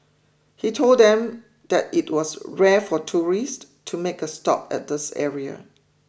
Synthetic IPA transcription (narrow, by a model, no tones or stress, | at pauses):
hitʰolddɛ̃m | d̪̥ɛt̚it̚wɔsɹɛfɔtʰuɹist | tʰumekəstɔ̰pɛ̰t̚d̪ɪsɛ̰ɹiə̰